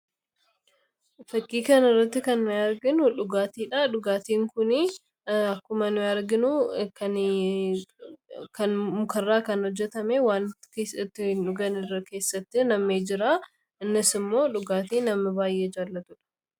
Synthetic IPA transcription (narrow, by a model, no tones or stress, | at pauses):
fɐkʼːiːkɐnɪrːɐt̪ːɪkɐnːʊjaːɾɡɪnʊᶑʊɡaːt̪iːᶑaᶑʊɡaːt̪iːŋkʊnɪ | ɐkːʊmɐnʊjaːɾɡɪnʊkɐn | kɐnmʊkɐrːaːkɐnhɔd͡ʒːɛt̪ɐmeːwaːnkesɪt̪ːɪᶑʊɡɐnɪrːɐke̞ːsːɐt̪ːɪnɐmːeːd͡ʒɪɾaː | ɪnːɪsɪmːo̞ːᶑʊɡaːt̪iːnːɐmɪbaːjʔeːd͡ʒaːlːɐt̪ʊᶑɐ̥